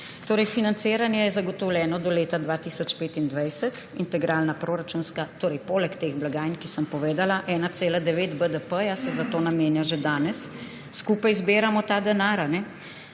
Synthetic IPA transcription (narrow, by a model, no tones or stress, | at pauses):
t̪oːɾɛjfinant̪seːɾanjɛjɛzaɡɔt̪ɔwljɛːnɔd̪ɔleːt̪ad̪ʋaːt̪iːsɔt͡ʃpeːt̪ind̪ʋajsɛt̪ | int̪ɛɡɾʔaːlnapɾoɾat͡ʃunskat̪oːɾɛjpoːlɛkt̪eːɣblaɡaːjnkisəmpɔʋeːd̪alaʔɛːnat̪seːlad̪ɛʋeːt̪bəd̪əpəjasɛzat̪oːnameːnjaʒɛd̪aːnɛsː | kuːpajzbeːɾamɔt̪aːd̪ɛnaːɾanɛ